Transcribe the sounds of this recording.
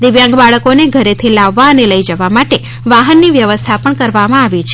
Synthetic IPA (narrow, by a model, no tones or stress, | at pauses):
d̪ɪʋjãŋɡbaɭəkoneɡʱəɾet̪ʰilaʋːaəneləid͡ʒəʋamaʈe | ʋaɦənːiʋjəʋəst̪ʰapəɳkəɾʋamãaʋit͡ʃʰ